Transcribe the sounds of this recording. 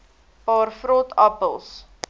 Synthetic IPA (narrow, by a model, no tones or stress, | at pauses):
pɑːrfrɔtapəlˠs